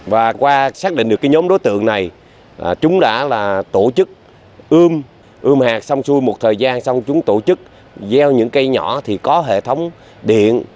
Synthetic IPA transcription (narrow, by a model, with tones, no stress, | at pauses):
vaː˨˩kwaː˧saː˦˥k̚ɗḭ̟˧˨ɗɨ˨˩əkːa˨˦ɲo˨˦mɗo˨˦jt̪ɨ̰˧˨əŋna˨˩j | t͡ɕʊ˨˦ŋ͡mɗa̰ː˧˥laː˨˩t̪o˧˩t͡ɕɨ˦˥k̚ | ʔɨ˧m | ʔɨ˧mhaː˨˩k̚sa˧wŋ͡msu˧jmo˨˩t̚t̪ʰəː˨˩jzaː˧nsɔ˧wŋ͡mt͡ɕʊ˨˦ŋ͡mt̪o˧˩t͡ɕɨ˦˥k̚ | zɛ˧wɲɨ̰˧˥ŋkə˧jɲɔ̰˧˩˥t̪ʰi˨˩kɔ˨˦ɦḛ˧˨t̪ʰə˨˦wŋ͡m | ɗḭ˧˨ən